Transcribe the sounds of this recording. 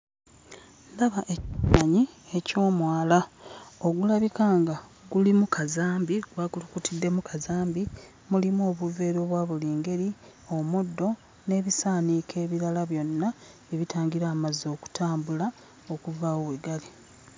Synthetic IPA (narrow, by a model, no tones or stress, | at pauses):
ndaβaʔeaɲie̞co̞ːmwaːlao̞ɡulaβikaːŋɡaɡulimukʰazaːmbiɡwakulukutidːe̞mukʰazaːmbi | mulimo̞ːβuve̞ːɾo̞ːβwaːβuliːŋɡe̞ɾio̞mudːo̞ | ne̞βisaːnikʰe̞ːβiɾalaβjo̞nːa | βiβitʰaːŋɡiɾaːmazo̞ːku̥tʰaːmbula | okuvawoweɡali